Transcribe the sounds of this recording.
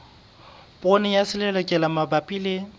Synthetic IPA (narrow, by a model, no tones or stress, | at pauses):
pʼonɪjasɪlɛlɔkʼɛlamabapʼile